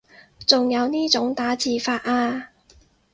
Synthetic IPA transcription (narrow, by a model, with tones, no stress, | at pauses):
t͡sʊ˨ŋjɐ˨˧wniː˥t͡sʊ˨˥ŋt̪aː˨˥t͡siː˨faː˧t̚ʔaː˧